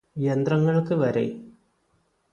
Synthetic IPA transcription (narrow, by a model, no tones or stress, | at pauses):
ijɐnd̪rɐŋːɐɭkɨʋɐɾḛ